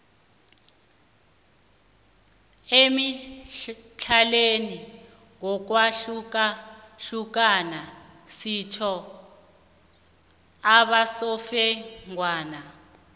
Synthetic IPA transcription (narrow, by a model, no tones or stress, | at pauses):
emi | t͡ɬʰaleni | ŋɔk̬waɬukaɬuk̬ʼana | sitʰɔ | aɓasɔfɛŋwaːna